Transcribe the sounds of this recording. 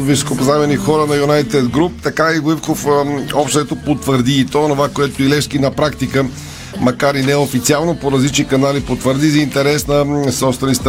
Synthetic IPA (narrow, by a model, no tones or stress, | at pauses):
viso̥kopzamɛnixɔɾənɐjunajt̪ɛd̪ɡɾup̚t̪ɐkaiɡʊifkofɔpʃt̪ɛt̪opot̪vəɾd̪iːt̪ɔonovakoɛt̪oilɛʃkinɐpɾakt̪ikə | mɐkaɾinɛofit̪sialˠnopoɾɐzlit͡ʃnikɐnalipot̪vəɾd̪izɐint̪ɛɾɛsnəsɔpst̪vɛnist̪